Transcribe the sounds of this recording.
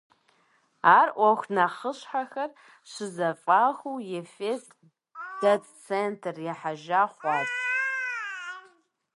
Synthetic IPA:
aːrʔʷɐxʷnɐχəɕħaxɐr | ɕɪzɐfʼaːxʷuwjefeːst | d̥ɐtt͡sʰeːntʰrjɛħaʒaːχʷɑːt

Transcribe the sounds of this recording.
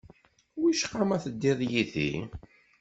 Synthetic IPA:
wiʃqːamæθəd̪ːiðˤjiθḭ

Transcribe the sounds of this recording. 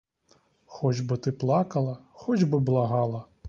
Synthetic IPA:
xɔd͡ʒbɨt̪ɪplˠɑkɐlˠɐxɔd͡ʒʲbɨblˠaɦɑlˠɐ

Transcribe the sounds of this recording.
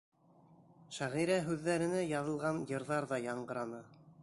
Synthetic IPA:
ʃæʁiɾæɦʉðːæɾɘ̆næjɑðɤ̆lˠʁɑnjɤ̆ɾðɑɾðɑjɑɴɢɤ̆ɾɑnɤ

